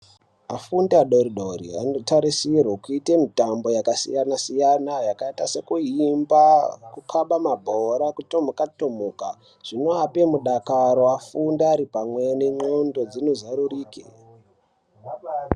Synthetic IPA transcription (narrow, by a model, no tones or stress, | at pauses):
a̰fundaɗoɾiɗo̞ɾḭa̰no̞taɾisirwokuitemitambo̞jakasḭjanasijanajakaitase̞kuimbakukʰaɓamabʱoɾakutomukatomoka | ʐ̥ino̞apemuɗakaɾo̞afundaaɾipamwe̞neŋ͡ǃondo̞d͡zino̞zaɾuriːkḛ